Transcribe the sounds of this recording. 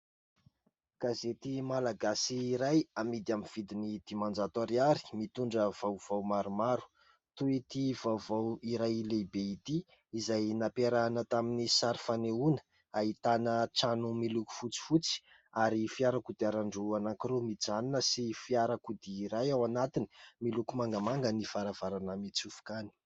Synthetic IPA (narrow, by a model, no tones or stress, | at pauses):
ɡ̥azet̪imalaɡasiːɾajamid̪iaminv̥id̪inid̪̥imand͡zat̪aɾiaɾi̥mit̪uɳɖ͡ʐəv̥awv̥awmaɾumaɾu̥ | t̪uet̪ivawvawiɾajlebeit̪iː | zajnapeɾanət̪aminisaɾifaneunə̥ | ait̪anəʈ͡ʂanumiluku̥fut͡si̥fut͡si̥ | aɾifiaɾakud̪iaɾaɳɖ͡ʐuanaŋkiɾomid͡zaninəsifiaɾakud̪iːɾajawanat̪ini̥milukumaŋɡamaŋɡənifaɾav̥aɾanəmit͡sufu̥kani̥